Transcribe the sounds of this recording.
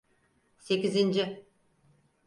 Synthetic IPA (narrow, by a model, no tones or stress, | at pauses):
se̞kʲizɪnd͡ʒɪ